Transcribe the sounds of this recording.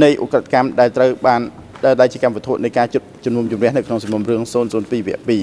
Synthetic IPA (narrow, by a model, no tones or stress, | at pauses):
nɨjʔukrət̪ʰakamɗaɛlt̪rəwɓaːn | ɗəɗaɛlt͡ɕiəkamʋɔ̆t̪ʰoət̪̚nɨjkaːt͡ɕut̪̚t͡ɕumnuəmt͡ɕumrɛ̆əhnɨwkʰnoŋsɑmːumrɨəŋsoːnsoːnpiːʋɛ̆əʔpiː